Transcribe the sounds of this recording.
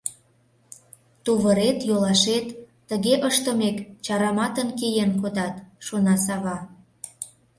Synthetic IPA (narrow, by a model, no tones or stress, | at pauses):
t̪oβəɾet̪jolɑʃet̪ː | əɣeʔəʃt̪ə̆mekt͡ɕɑɾɑmɑt̪ənkejenkod̪ɑt̪ʃonɑsɑβɑ